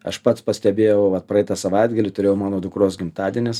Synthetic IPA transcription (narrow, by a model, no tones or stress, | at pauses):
ɐ̰ʃpɐt̪spɐsʲt̪ʲɛbʲeːjɛʊʋɐt̪̚pɾɐɛɪt̪ɐsɐʋɐɪd̪ɡɐlʲɪt̪ʊɾʲeːjɛʊmɑːnoːd̪ʊkɾoːsɡʲɪmt̪ɑːd̪ʲɪnʲeːs